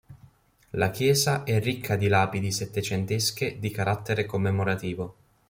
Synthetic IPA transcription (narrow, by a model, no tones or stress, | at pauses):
lak̟jɛːzaʔɛrːikʰːad̪ilaːpid̪iset̪ːet͡ʃent̪esked̪ikaɾat̪ːeɾekomːemoɾat̪iːvo